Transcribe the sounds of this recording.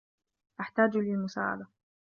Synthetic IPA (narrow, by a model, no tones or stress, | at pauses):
ʔaħt̪aːd͡ʒlɪlmʊsa̰ːʕa̰d̪a